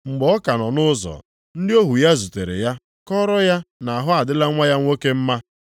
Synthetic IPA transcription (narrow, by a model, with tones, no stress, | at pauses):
ŋ͡m̩˨ɡ͡bɔɔ˦ka˨nɔ˨nʊ˦zɔ̰˨ | n̩˦dɪ˦o˦ɦu˨ja˦zu˨te˨ɾḛ˨ja˦ | kɔ˦ɾɔ˦ja˦na˨a˨ɦʊ˦a˨dɪ˦la˦ŋʷa˦ja˦ŋʷo˦ke˦m̩˦ma˦